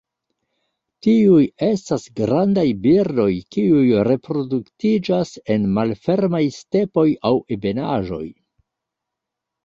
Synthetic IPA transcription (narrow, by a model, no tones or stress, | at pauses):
tiuje̞stasɡɾandajbiɾdo̞jkiujɾe̞pɾo̞duktid͡ʒase̞nmalfe̞ɾmajste̞po̞jawebe̞naʒo̞̰j